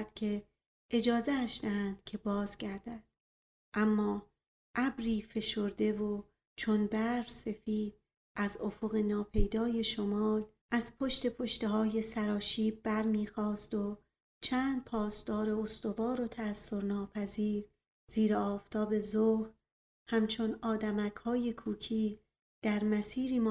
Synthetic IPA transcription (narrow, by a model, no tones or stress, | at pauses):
ɾd̪̥cʰe̞ | ed͡ʒɒːzeːʃd̪eænd̪̥cʰe̞bɒːzɟæɾd̪æd̪̥̚ | ʔæmːɒː | ʔæbɾiːfe̞ʃo̞ɾd̪e̞vo | t͡ʃʰo̞nbæɾvse̞fiːd̪̥̚ | ʔæzofo̞ɣe̞nɒːpʰe̞jd̪ɒːje̞ʃomɒːl | ʔæz̥pʰo̞ʃt̪e̞pʰo̞ʃt̪e̞ɦɒːje̞sæɾɒːʃiːbbæɾmiːxɒːst̪o | t͡ʃʰæːnd̪̥̚pʰɒːsd̪̥ɒːɾe̞ost̪o̞vɒːɾo̞t̪ʰæːsːo̞ɾnɒːpʰæziːɾ | z̥iːɾeɒːft̪ʰɒːbe̞zohɾ | hæmt͡ʃʰo̞nɒːd̪æmækhɒːje̞kʰuːcʰiː | d̪̥æɾmæsiːɾiːm